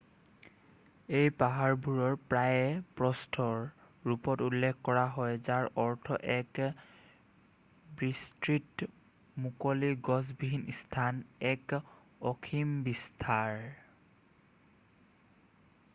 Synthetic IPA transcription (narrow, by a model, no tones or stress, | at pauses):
ejpaɦaɹbʱuɹɔɹpɹajɛpɹɔstʰɔɹ | ɹupɔtulːekʰkɔɹaɦɔjzaɹɔɹtʰɔʔɛk | bɹistɹit | mukoliɡɔsbiɦinistʰanɛk | ɔkʰimbistʰaɹ